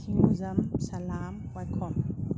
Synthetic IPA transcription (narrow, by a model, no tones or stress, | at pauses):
iuzɐmsalamwakʰɔm